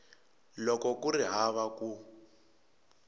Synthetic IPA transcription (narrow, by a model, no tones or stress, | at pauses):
lɔkɔkuriɦaβaku